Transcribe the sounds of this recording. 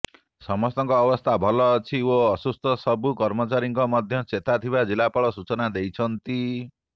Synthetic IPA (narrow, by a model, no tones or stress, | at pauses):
sɔmɔst̪ɔŋkɔːbɔst̪ʰabʱɔlɔːt͡ʃʰioɔsust̪ʰɔsɔbukɔɾmɔt͡ʃaɾiŋkɔmɔd̪ʱjɔt͡ʃet̪at̪ʰibad͡ʒilapɔɭɔsut͡ʃɔnad̪ejt͡ʃʰɔnt̪i